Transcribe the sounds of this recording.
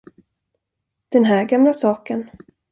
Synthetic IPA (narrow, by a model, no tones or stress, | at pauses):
d̪̥ɛnɦæːɾɡamlasɑːkən